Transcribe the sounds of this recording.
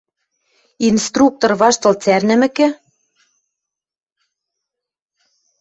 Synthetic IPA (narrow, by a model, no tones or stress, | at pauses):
inst̪ruk̚t̪orβɑʃt̪ɤ̆lt͡særnɘ̆mɘ̆kɘ̆